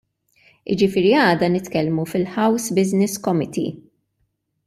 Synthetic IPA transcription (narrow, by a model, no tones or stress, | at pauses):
ʔɪ̰d͡ʒɪfɪːɾiɐːd̪ɐnɪt̪kɛlmufɪlħɐwsbɪznɪskɔmɪt̪ʰḭ